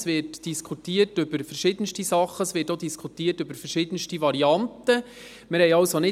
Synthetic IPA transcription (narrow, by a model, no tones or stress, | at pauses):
sʋɪɾtd̥iskʰutiːərtʏbəɾfəɾʃɪd̥̪ənʃtisɑχːəsʋɪtodiskʰutiːətʏbəɾfərʃɪd̥ənʃtivɑɾiɑntə | mɪɾhɛɪɑwsonɪ